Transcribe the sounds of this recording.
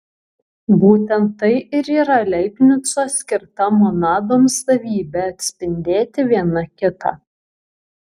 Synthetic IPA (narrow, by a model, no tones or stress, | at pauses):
buːt̪ʲɛnt̪ːɐɪʔɪɾiːɾɐlʲɛɪpʲnʲʊsoːsʲkʲɪɾt̪ɐmoːnɑːd̪oːmsɐʋʲiːbʲɛɐt̪ʲsʲpʲɪnʲd̪ʲeːt̪ʲɪʋʲiɛnɐkʲɪt̪ɑ̰ː